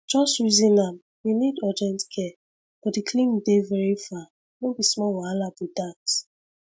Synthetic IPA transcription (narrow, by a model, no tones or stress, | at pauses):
d͡ʒɔstɹizĩnam | winidɔdiɛ̃ntkʰɛ | b̥ɔtdikʰlĩŋdevɛɹifa | nõbismɔwɔalabidat